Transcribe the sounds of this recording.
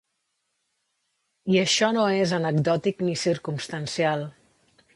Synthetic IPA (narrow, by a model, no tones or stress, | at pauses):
iəʃɔnoezənəɡd̪ɔt̪iknisiɾkumst̪ənsialˠ